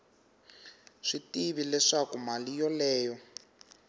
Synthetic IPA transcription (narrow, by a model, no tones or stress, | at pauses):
ʂitiβilɛʂakumalijɔlɛːjɔ